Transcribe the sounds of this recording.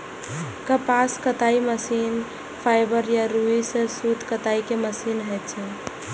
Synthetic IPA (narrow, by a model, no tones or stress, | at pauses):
kəpaskət̪aiməsin | pʰaɪbəɾjaɾuisẽsut̪kət̪aikeməsinɦɛt̪t͡ʃʰɛ